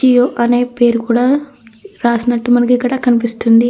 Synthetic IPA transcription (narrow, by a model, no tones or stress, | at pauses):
ijoːʔɐneːpe̞ːɾukuːɽaː | ɾaːsinɐʈːumɐnɐk̬ikːɐɽakɐnipist̪und̪i